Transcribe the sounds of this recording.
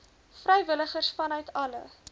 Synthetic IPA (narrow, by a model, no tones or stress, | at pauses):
frɛjvələχərsfɐnœɥtɐlə̰